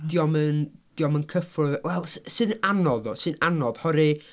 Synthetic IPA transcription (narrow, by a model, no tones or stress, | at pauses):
d̥iɔmənd̥iɔmənkʰəfʊwɛlˠssɨnanɔðɔsɨnanɔðhɔɾi